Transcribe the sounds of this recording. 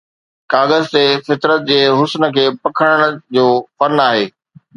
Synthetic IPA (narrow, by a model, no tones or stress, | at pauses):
kaːɣəzt̪eːfɪt̪ɾət̪̚d͡ʑeːɦʊsnə̆kʰeːpɐkʰəɽ̃əɽ̃̆d͡ʑoːfɐnaːɦeː